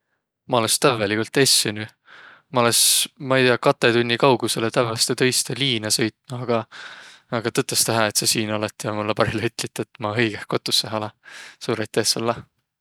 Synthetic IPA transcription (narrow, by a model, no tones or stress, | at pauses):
mɑo̞lest̪ævːelikult̪ːˑesːeny | mɑo̞lesmɑejt̪iɑkɑt̪ːˑe̞t̪unʲːikɑwɡ̥use̞let̪ævɑst̪et̪ɤ̞jst̪eliːnɑsɤ̞jt̪nuɑɡ̥ɑː | ɡ̥ɑt̪ɤt̪ːˑɑst̪æɦɑe̞t̪sɑsiːnolet̪ːˑijɑmulːɑpɑɾilyt̪ːˑlit̪ːˑet̪ːˑmɑhɤjɡ̥ehko̞t̪ːˑusːeɦɑlɑsuːɾɑjt̪ːˑeːsolːɑ